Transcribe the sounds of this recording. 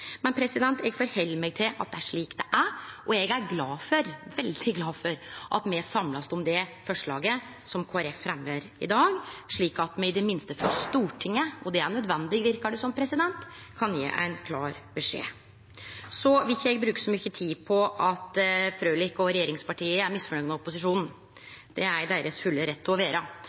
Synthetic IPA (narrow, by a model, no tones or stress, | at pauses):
mɛnpʰɾɛsɪd̪ɛnt̪ɛɡfɔːɾhɛlːmɛːɡ̚t̪ʰɪlɑt̪d̪ɛæʂɭiːkd̪ɛʔæɾʔɔɛɡæɾɡlɑːfɔɾʋɛld̪ɪɡlɑːfɔɾʔɑ̰t̪mɛsɑmlɑsɔmd̪ɛfɔʂɭɑ̰ːɡə | sɔmkʰoːæɾɛfːɾɛmhøɾɪ̰d̪ɑːɡʂɭiːkɑt̪mɛɪd̪ɛmɪnst̪əfɔst̪uːʈʰɪŋːəɔd̪ɛæɳœd̪ʋɛnd̪ɪɡʋɪɾkɑɖɛsɔmpʰɾɛsɪd̪ɛnt̪ | kʰɑnjḛːʔæ̰ɪnkʰlɑːɾbɛʂḛː | sɔʋɪçɛɡbɾʉːkə̥sɔmʏçːət̪ʰiːpʰɔʔɑt̪fɾøːlɪkɔɾɛjeːɾɪŋspɑʈʰiːəæɾmɪsfɔɳœɡnɑʊpːʊsɪʂuːnn̩ | d̪̥ɛæɾɖ̪eːɾəsfʉlːəɾɛt̪ːɪɔʋeːɾɑ